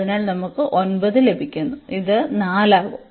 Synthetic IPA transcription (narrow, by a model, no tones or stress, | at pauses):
inaːlnɐmukːɨʔo̞nbɐðɨle̞bʱikʲːunːuiðɨnaːlaːɣu